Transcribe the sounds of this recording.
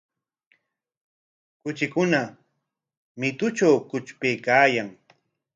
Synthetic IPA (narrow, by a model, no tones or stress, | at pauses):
kʊt͡ʃɪkʊna | mɪt̪ʊt͡ʃawkʊt͡ʃpejkaːjaŋ